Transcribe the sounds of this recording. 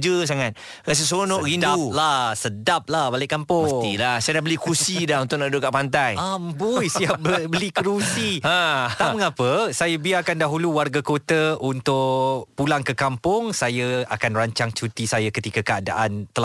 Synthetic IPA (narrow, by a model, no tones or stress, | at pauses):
d͡ʒəs̬aŋat̪̚ | ɾas̬əs̬onoʔɾindauplahsədap̚lahbalɪʔkːampʊilasajadaʔbəlikusidahunt̪ʊʔnadoʔkaʔpant̪̬ajambojsiap̚bbəlikəɾusiãt̪aməŋapəsajəbiakandaɦuluwarɡakot̪əunt̪ʊʔpulaŋkəkampʊŋsajəakanraɲt͡ʃaŋt͡ʃut̪isajakət̪ikəkəada̰ʔant̪əla